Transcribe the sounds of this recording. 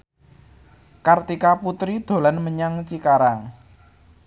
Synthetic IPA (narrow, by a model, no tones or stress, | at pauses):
kart̪ikaput̪ɾid̪̥o̤lanməɲaŋt͡ʃikaɾaŋ